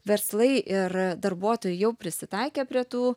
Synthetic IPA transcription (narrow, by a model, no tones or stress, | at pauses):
ʋʲɛɾslˠɐɪʔɪɾd̪ɐɾbuɔt̪oːjʊjɛʊpʲɾʲɪsʲɪt̪ɑɪkʲeːpʲɾʲiɛt̪uː